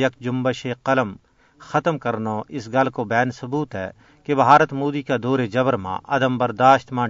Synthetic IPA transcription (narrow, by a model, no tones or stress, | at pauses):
jɐk̚d͡ʒʊmbəʃeqɐləm | xɐt̪əmkɐɾnoʔɪsɡɐlkobɛːnsɐbuːt̪ɦɛ̰ː | kebɦaːɾət̪moːd̪ikad̪oːɾed͡ʒɐbəɾmã̰ʔɐd̪əmbɐɾd̪aːʃt̪mãː